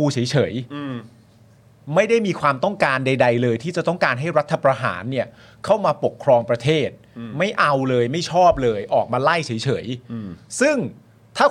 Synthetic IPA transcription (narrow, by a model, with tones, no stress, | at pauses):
uː˧t͡ɕʰɤ˩˦jt͡ɕʰɤ˩˦j | ma˥˩jda˥˩jmiː˧kʰwaː˧mt̪ɔ˥˩ŋkaː˧nda˧jda˧jlɤː˧jt̪ʰiː˥˩t͡ɕa˨˩t̪ɔ˥˩ŋkaː˧nɦa˥˩jɾa˦˥t̪ʰːa˧pɾa˧ɦa̰ː˩˦nːi˥˩ɐ | kʰa˥˩wmaː˧po˨˩kʰɾɔː˧ŋpɾa˧t̪ʰeː˥˩t̪̚ma˥˩jʔa˧wlɤː˧jma˥˩jt͡ɕʰɔː˥˩p̚lɤː˧jʔɔː˨˩k̚maː˧la˥˩jt͡ɕʰɤː˩˦jt͡ɕʰɤ̰˩˦jsɯ˥˩ŋ | t̪ʰaː˥˩